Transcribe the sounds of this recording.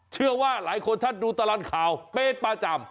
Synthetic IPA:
t͡ɕʰɯ˥˩ɐwaː˥˩laː˩˦jkʰo˧nt͡ɕʰa˥˩t̪̚duː˧t̪a˧lɔ˧˥˩nkʰaː˨˦wpeː˧˩t̪̚paː˧t͡ɕa˧m

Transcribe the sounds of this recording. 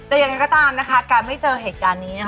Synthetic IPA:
ɛː˧˩ja˨˩ŋːa˦jkɔ˥˩t̪aː˧mna˦˥kʰa˦˥kaː˧nma˥˩jt͡ɕɤː˧ɦeː˨˩t̪̚kaː˧nːiː˦˥na˦˥

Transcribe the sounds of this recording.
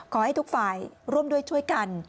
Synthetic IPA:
kʰɔː˩˦ha˥˩jt̪ʰu˦˥k̚faː˨˩jɾu˥˩əmdu˥˩əjt͡ɕʰu˥˩əjka˧n

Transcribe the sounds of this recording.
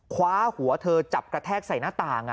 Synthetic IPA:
kʰwaː˦˥hu˨˩˦ɐt̪ʰɤː˧t͡ɕa˨˩p̚kɾa˧t̪ʰɛː˥˩k̚sa˨˩jnaː˥˩t̪aː˧˩ŋ˩

